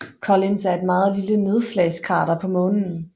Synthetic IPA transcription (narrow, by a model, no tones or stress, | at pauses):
kʰɒ̽linsæɐe̝d̥mɑ̈ːð̞̩ˠliləne̝ð̞ˠslɛɪskʰɑ̈ːɾɐpʰɒ̽mɔ̽ːnn̩